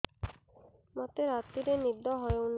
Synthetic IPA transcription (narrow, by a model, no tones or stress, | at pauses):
mat̪eɾat̪ːiɾenibd̪ɔɦɔeun